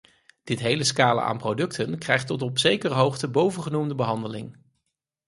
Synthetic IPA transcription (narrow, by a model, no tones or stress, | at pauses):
d̥ɪtɦejləskaːlə̰ʔa̰ːnprowdɵktʰənkrɛjχtɔtɔpsejkərəɦowχtəbowvənχənumdəbəɦɑndəlɪ̰ŋ